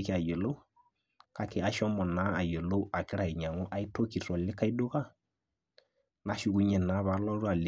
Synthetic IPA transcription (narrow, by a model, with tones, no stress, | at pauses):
ki˦a˨je˨lo˦u˦ | ka˦kɪ˨a˦ʃɔ˦mɔ˨na˦a˨je˨lo˦a˨kɪ˦ɾa˨i˨ɲa˨ŋu˦ʔa˦i˦to˦ki˨ɾɔ˨lɪ˦ka˦i˦do˦ka˦ | na˨˦ʃu˨ku˦ɲɛ˨na˨˦βa˨˦lɔ˦ɾu˦a˨l